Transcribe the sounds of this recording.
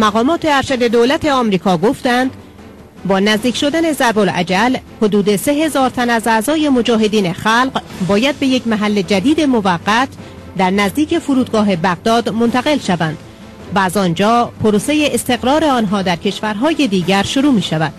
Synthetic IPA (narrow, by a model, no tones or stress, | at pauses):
mæɣɒːmɒːt̪ʰe̞æɾʃæd̪e̞d̪olæt̪ʰe̞ɒːmɾiːkʰɒːɡoft̪ænd̪̥ | bɒːnæzd̪iːkcʰʃo̞d̪æne̞zæɾbolʔæ̰d͡ʒælhod̪uːd̪e̞se̞ɦe̞zɒːɾt̪ʰænæzæzɒːje̞mo̞d͡ʒɒːɦe̞d̪iːne̞xælqbɒːjæd̪̚be̞jecʰmæɦælːe̞d͡ʒæd̪iːd̪e̞mo̞væɣːæt̪ʰ | d̪æɾnæzd̪iːcʰe̞foɾuːd̪̚ɡɒːɦe̞bæɣd̪ɒːd̪mo̞nt̪ʰæɣe̞lʃævænd̪̥ | væːzɒnd͡ʒɒːpʰoɾose̞jeʔest̪e̞ɣɾɒːɾe̞ɒːnɦɒːd̪æɾcʰe̞ʃvæɾɦɒːje̞d̪iːɟæɾʃoɾuːmiːʃævæd̪̥